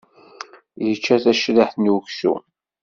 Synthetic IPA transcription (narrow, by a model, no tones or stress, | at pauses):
jət͡ʃːæθæʃðəħθnwksṵ